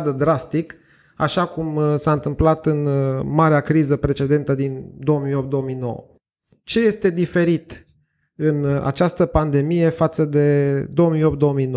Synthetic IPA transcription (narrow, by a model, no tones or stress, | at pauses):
d̪əd̪ɾast̪ik | a̰ʃakumsaɨnt̪ɨmplat̪ɨnmaɾeakɾizəpɾe̞t͡ʃe̞d̪e̞nt̪əd̪ind̪o̞omiop̚t̪d̪o̞omijno̞̰wə̰ | t͡ʃe̞je̞st̪e̞d̪ife̞ɾit̪ | ɨna̰t͡ʃast̪əpand̪e̞mije̞fat̪səd̪e̞d̪o̞omiopt̪̚d̪o̞omijno